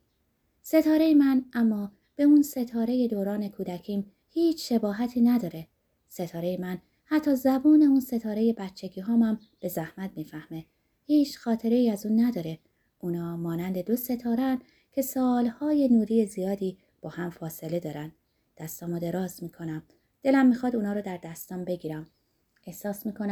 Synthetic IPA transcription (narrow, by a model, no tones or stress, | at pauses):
se̞t̪ʰɒːɾe̞jemænʔæmːɒː | b̥e̞unse̞t̪ʰɒːɾe̞je̞d̪oːɾɒːne̞kʰuːd̪æcʰiːm | hiːt͡ʃʰʃe̞bɒːɦæt̪ʰiːnæd̪ɒːɾe̞ | se̞t̪ʰɒːɾe̞jemæn | hæt̪ʰːɒːzæbuːne̞unse̞t̪ʰɒːɾe̞je̞bæt̪t͡ʃʰːe̞ɟiːɦɒːmæm | b̥e̞zæhmæt̪̚miːfæhme̞ | hiːt͡ʃxɒːt̪ʰe̞ɾe̞iːæzuːnːæd̪ɒːɾe̞ | ʔuːnɒːmɒːnænd̪e̞d̪o̞se̞t̪ʰɒːɾeæn | cʰe̞sɒːlhɒːje̞nuːɾiːjezijɒːd̪iː | b̥ɒːhæmfɒːse̞le̞d̪ɒːɾænd̪ | d̪̥æst̪ɒːmɔːd̪e̞ɾɒːzmiːkʰo̞næm | d̪̥e̞læmːiːxɒːd̪uːnɒːɾɔːd̪æɾd̪æst̪ɒːmbe̞ɡiːɾæm | e̞hsɒːsmiːkʰonæ